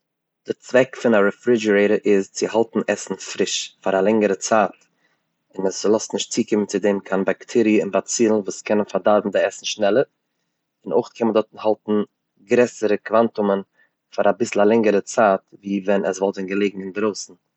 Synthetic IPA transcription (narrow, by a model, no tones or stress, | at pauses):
d̥ɪɾt͡svɛkfɪnaɾɛfɾɪd͡ʒəɾeɪɾəɾʔɪst͡sɪhalˠtn̩ɛsn̩fɾɪʃfaɾalˠɛŋəɾət͡saːt | ɪnɛslˠɔstnɪʃtt͡siːkɪmənt͡sɪdeːmkʰanbaktʰɛɾiɪnbat͡siːlˠnvuːskʰɛnənfaɾdaɾbm̩dɪɛsn̩ʃnɛlˠəɾ | ɪno̰ʊχtkʰɛnmədɔtn̩halˠtn̩ | ɡɾɛsəɾəkvantʊmən | faɾabɪsl̩ˠalˠɛŋəɾət͡saːtviːvɛnɛsvɔlˠtɪnɡəlˠeɪɡŋ̩ɪnɡɾoʊsn̩